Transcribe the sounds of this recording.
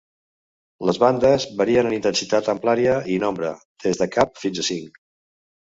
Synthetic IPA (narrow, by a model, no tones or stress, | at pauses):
ləzβand̪əzβəɾiənənint̪ənsit̪at̪əmplaɾiəinombɾə̰d̪̥ezðəkap̚finzəsiŋk